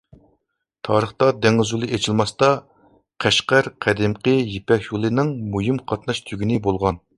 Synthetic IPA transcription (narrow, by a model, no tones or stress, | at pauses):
t̪ʰɑːɾəχt̪ɑd̪eŋɨzulˠɨʔet͡ʃʰilˠmɑst̪ɑ | qʰæʃqæɾqʰæd̪ɪmqəjepɛkʲjulˠɨnɪŋmujimqʰɑt̪nɑʃt̪ʰyɡʲinɪbolˠʁɑn